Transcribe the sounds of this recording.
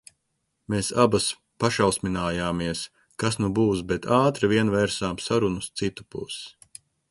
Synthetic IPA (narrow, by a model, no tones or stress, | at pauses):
meːsabas | paʃawˠsminaːjaːmiɛs | kasnubuːsbɛt̪ʰaːt̪ɾavʲiɛnvɛɾsaːmsaɾunust̪sit̪u̥pṵs